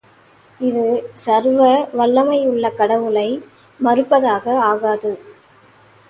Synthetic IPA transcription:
ɪðɯsɐɾʋɐʋɐɭːɐmɐjʊɭːɐkɐɽɐʋɯlɐɪ | mɐɾɯpːɐðaːɣɐaːɣaːðɯ

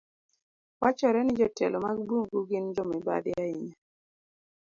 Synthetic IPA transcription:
wat͡ʃɔɾɛnɪd͡ʒɔtɛ̰lɔmaɡ̚buŋɡuɡind͡ʒɔmɛba̰dɪaiɲa

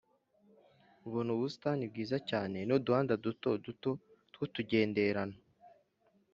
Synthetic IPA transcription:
uβuːnhuβusi̥tanib̚ɡiːzacaːne̞noduhaːndadutoduto | tkutuɟe̞ːnde̞ɾana

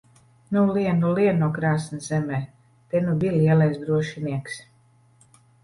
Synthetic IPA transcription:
nuliɛnuliɛnuɔkɾaːsnizɛmɛː | t̪ɛnubiːliɛlajsd̪ɾuɔʃiniɛks

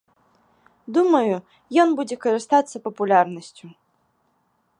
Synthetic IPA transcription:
d̪umɐju | jɔnbud͡zʲɛkɐɾɨst̪at̪sːɐpɐpulʲarnɐsʲt͡sʲu

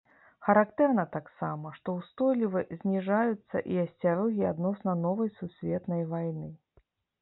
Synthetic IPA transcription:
xɐɾakt̪ɛrnɐt̪aksamɐʂt̪ɔwst̪ɔjlʲivɨzʲnʲiʐajut̪sːɐ̰ʔiɐsʲt͡sʲaɾɔɣʲiad̪nɔsnɐnɔvɐjsusʲvʲɛt̪nɐjvajnɨ

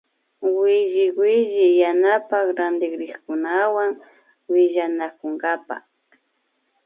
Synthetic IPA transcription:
wɪʒɪwɪʒɪjanapakɾand̪ɪkɾɪχkʊnawaŋ | wɪʒanakʊŋɡapa̰

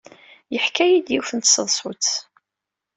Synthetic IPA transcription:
jəħkæjid̪jifənt̪səðˤsˤʊt͡s

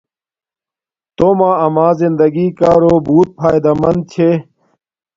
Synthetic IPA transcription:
t̪oːmãːɐmaːzind̪ɐɡiːkaːɾoːbuːt̪̚pʰaːjd̪ɐmɐnd̪̚t͡ɕʰe

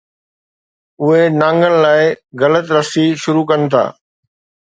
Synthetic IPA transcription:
ʊɦenãːŋɡənɪ̆laːɪɣɐlət̪ɾɐsiʃʊɾukɐnɪ̆t̪ʰa̰ː

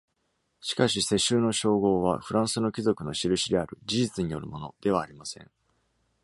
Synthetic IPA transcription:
ɕi̥kaɕise̞ɕɨːno̞ɕo̞ːɡo̞ːβ̞a̰ɸɯ̟ɾãɰ̃sɨno̞kʲizo̞kɯ̟no̞ɕiɾɯ̟ɕid̪e̞aɾɯ̟d͡ʑiʑit͡sɨɲ̟ijo̞̰ɾɯ̟mo̞no̞̰d̪̥e̞β̞aːɾʲimasẽ̞̰ŋ

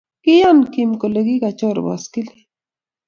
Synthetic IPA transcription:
kijankimkoleɡiɡat͡ʃoɾba̰skili

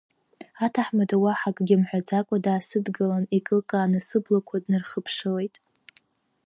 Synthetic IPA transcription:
atʰaħmadʰʼawaħakʼɡʲɪmħʷᶣad͡zakʷʼadaːsɨdɡalanikʼɨlkʼaːnɨsɨblakʷʰadnɨrχəpʰʂɨle̞jtʼ

